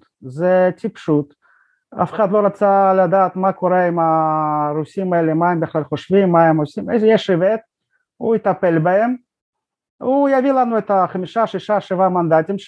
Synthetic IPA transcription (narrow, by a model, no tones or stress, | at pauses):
zet̪ʲipʃut̪ | a̰fe̥χad̪lo̞ɾat͡salad̪aːt̪makoɾeimaɾusimaelemaembiχlalχoʃvimːaemosimejzejeʃevet̪̚ | ṵit̪apelbaem | ujavilanuet̪aχamiʃaʃiʃaʃevamand̪at̪im